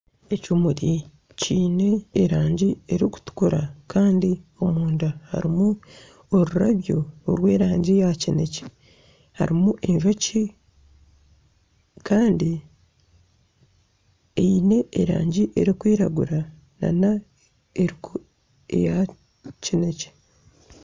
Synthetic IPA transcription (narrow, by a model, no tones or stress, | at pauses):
e̞cumuɾi | ciːne̞ːɾaːɲɟie̞ɾiku̥tu̥kuɾakaːndio̞muːndaha̰ɾimu | oɾuɾaβjooɾwe̞ːɾaːɲɟijacene̞ce̥ | ha̰ɾimuʔeɲʒoci | kʰaːndi | eine̞ːɾa̰ːɲɟiʔe̞ɾikwiːɾaɡuɾa | na̰na | eɾiku | ḛja | cine̞ce̥